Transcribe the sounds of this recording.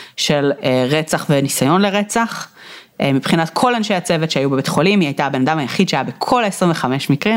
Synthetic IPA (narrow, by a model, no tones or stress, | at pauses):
ʃe̞leʁet͡saχvenisajo̞nle̞ʁet͡saχ | mipχinat̪kʰo̞lanʃejat͡se̞vetʃeajubeet̪χo̞limiajt̪aːbe̞nad̪amhajaχid̪ʃeajabe̞kʰo̞lesʁiɱveχameʃmikʁim